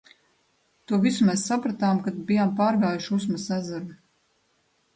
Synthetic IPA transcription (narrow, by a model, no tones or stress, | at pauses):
t̪uɔvisumeːsːapɾat̪aːmkad̪̚bijampaːɾɡaːjuʃus̬mɐsæzaɾu